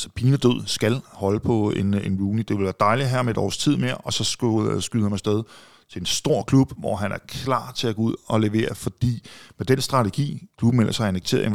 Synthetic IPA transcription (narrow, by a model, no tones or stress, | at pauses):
sɒ̥pʰiːnəd̥øð̞̰ˠsɡ̥ælhɒ̽ləpʰɒ̽e̝nenluːnid̥e̝ʋelʋæːɐd̥ɑ̈ɪliɦæɐ̰me̝d̥ɒ̰ːst͡sʰið̞̰ˠme̝ɐʔɒ̽sɒ̥̽sɡ̥yðˠhæmɑsd̥eð̞ˠ | t͡sʰe̝ensd̥o̝ɐ̰kʰlub̥ʋɒɦænæɐkʰlɑ̰̈ːt͡sʰe̝æɡ̥ɔ̽uð̞̰ˠɒ̽le̝ʋe̝̰ːɐfɒ̽d̥ḭːmed̥ensd̥ʁɑ̈t͡sʰe̝ɡ̥ḭːkʰlub̥m̩melʔɐsɑ̈ɪeneɡ̥̚t͡sʰe̝̰ːɐ̰ðˠe